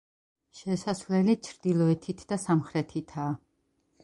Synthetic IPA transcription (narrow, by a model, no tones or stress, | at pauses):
ʃɛsasvlɛlit͡ʃʰɾd̪̥ilˠɔɛt̪ʰit̪ʰd̪asamχɾɛt̪ʰit̪ʰaː